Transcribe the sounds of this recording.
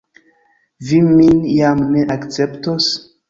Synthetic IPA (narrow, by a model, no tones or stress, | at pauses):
viminjamne̞ʔakt͡se̞ptos